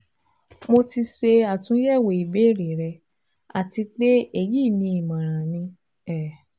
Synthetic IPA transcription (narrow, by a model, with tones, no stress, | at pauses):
mo˧ti˧ʃe˧a˨tũ˨˦jɛ˦˨we˨i˨be˨˦˨ɾe˨ɾɛ˧ | a˨ti˧k͡pe˦e˦˨ji˦˨nĩ˧i˨mã˨ɾ̃ã˨nĩ˧ | ɛ˨